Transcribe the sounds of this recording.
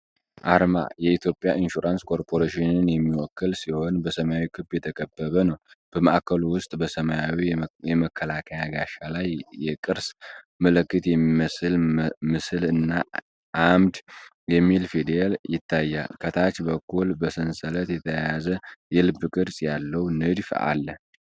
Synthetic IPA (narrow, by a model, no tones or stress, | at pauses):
ʔaɾma̰jɛit̪ʰjo̞pʼːjaʔinʃuɾanskʰo̞ɾpʰo̞ɾeʃinɨnjɛmːiwɔkʰːɨlsiho̞nbəsəmajawikʰɨbjɛt̪ʰəkʼəbːəβənəwb̥əməʔakʰːəluwʊst̪ʼbəsəmajawijɛməkʰːəlakʰəjaɡaʃalajjɛkʼɨɾs | məlɨkːɨt̪jɛmːiməslmɨsɨlɨnːa | ʔamd̪ | jɛmːilfid̪ealjɪt̪ʰːajːa̰lkʰət̪ʰat͡ʃːbəkʰːulbəsɨnsələt̪jɛt̪ʰəjjazəjɛlɨbɨkʼɨɾsʼjalːəwnɨd̪fʔa̰lːə